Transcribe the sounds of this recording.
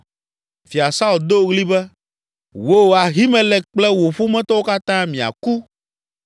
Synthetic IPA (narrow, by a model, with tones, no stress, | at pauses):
fi˨a˨sa˦u˦˨ld̪o˦ɣli˦bɛ˦ | wo˦˨a˨ɦi˦mɛ̃˨lɛ˨k͡plɛ˦wo˨ɸu˦mɛ̃˦t̪ɔ˦wo˦ka˦t̪ã˦mĩ˨a̰˨ku˦